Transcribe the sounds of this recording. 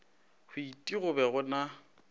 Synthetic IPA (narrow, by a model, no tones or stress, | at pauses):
hʊitʼiɣʊbɛɣʊna